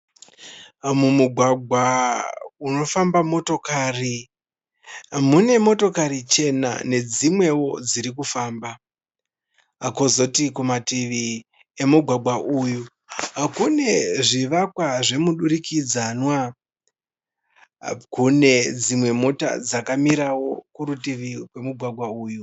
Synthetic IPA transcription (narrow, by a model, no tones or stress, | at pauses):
mumuɡʱwaɡʱwa | uno̞fambamo̞to̞kaːri | mune̞mo̞to̞kaɾit͡ʃe̞na̰ne̞d͡zimwe̞wo̞d͡ziɾik̬ufaːmba | kozo̞tikumatiʋi | e̞muɡʱwaɡʱwaʔuju | kune̞ʐiʋakwaʐe̞muɗuɾikid͡zanwa | kune̞d͡zimwe̞mo̞ta̰d͡zakamiɾawo̞kuɾutiʋikwe̞muɡʱwaɡʱwauːju